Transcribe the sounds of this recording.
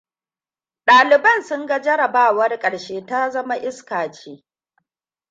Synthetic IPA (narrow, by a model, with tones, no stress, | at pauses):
ɗaː˨lɪ˨bɐ˦˨nsʊ˦ŋɡa˦d͡ʒɐ˦ɽɐ˨baː˦wɐ˦rkʼɐ˨ɽʃeː˦ta˦zɐ˦ma˦ʔɪ˦skaː˨t͡ʃeː˦